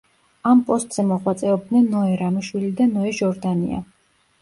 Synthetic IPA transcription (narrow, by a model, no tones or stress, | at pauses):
ampʼɔst̪ʼz̥ɛmɔʁwat̪sʼɛɔb̚d̪nɛnːɔɛɾamiʃwilid̪anɔɛʒɔɾd̪anḭa̰